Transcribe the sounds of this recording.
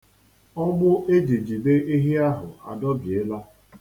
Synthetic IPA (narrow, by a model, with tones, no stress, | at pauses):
ɔ˦ɡ͡bʊ˦ʔe˦d͡ʒi˨d͡ʒi˨be˦ʔi˦ɦi˦a˦ɦʊ˨a̰˨dɔ˦bɪ˨e˦la˦